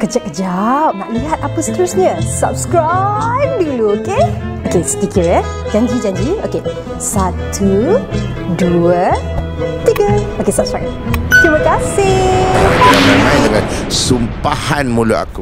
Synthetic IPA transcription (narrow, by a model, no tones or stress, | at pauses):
kəd͡ʒəʔ̚kəd͡ʒap̚naʔliɦat̪̚apəst̪əɾʊsɲə̃sa̰p̚skɾajp̚diluokeokest̪ikiɹɛ | d͡ʒaɲd͡ʒid͡ʒaɲd͡ʒio̰ke | sat̪u | duə | t̪iɡəokesap̚skɹa̰jp | t̪ɾimakasɪakujamənãjdəŋansumpahanmũluʔa̰ku